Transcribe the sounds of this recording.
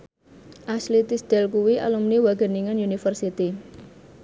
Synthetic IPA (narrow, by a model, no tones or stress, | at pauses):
ʔaslit̪isd̪̥ɛlkuwiʔa̰lumniwaɡ̥ə̤niŋanunifərsit̪i